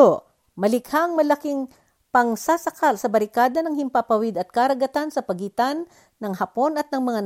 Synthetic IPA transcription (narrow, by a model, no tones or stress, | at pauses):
o | mɐlɪkhaʔɐŋmɐlɐkɪŋ | pɐŋsasɐkalsɐbɐɾɪkaːd̪ɐnɐŋhɪmpapɐwɪd̪ɐt̪̚kaɾɐɡɐt̪ansɐpɐɡiːt̪anː | ɐŋhɐpo̞nɐt̪̚nɐŋmɐŋa